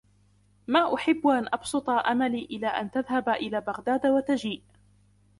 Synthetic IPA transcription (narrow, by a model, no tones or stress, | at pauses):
maːʔʊħɪbːʔanʔɑbsɨt̪ˤɑʔamaliːʔɪlaːʔa̰nt̪aðhabʔɪlaːbaɣd̪aːd̪wat̪ad͡ʒiːʔ